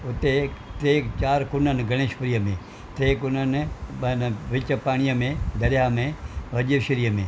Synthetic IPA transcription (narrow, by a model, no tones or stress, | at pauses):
ʊt̪et̪ɾeːt͡ʃaːɾkʊnənɡɐɽ̃eːʃpəɾijəmẽ | t̪eːkʊnənnʋɪt͡ʃəpaːɽ̃ijəmẽd̪ɐɾjamẽʋɐd͡ʒiʃɪɾijəmḛ̃ː